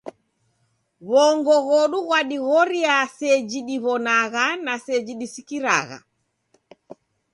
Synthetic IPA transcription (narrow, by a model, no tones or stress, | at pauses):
βɔŋɡɔɣɔɗuɣwaɗiɣɔɾiasɛd͡ʒiɗiβɔnaɣanasɛd͡ʒiɗisikiɾa̰ɣa̰